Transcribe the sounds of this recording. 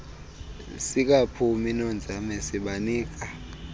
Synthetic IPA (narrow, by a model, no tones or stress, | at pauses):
sik̬ʼapʰuminɔnd͡zʱamɛsiɓaniːk̬ʼa